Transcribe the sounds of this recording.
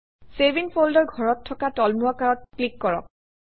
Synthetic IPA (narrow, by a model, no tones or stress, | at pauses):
sevinpʰoldɔɹɡʱɔɹɔtʰːɔkatɔlmuakaɹɔt̚klikːɔɹɔ̰k̚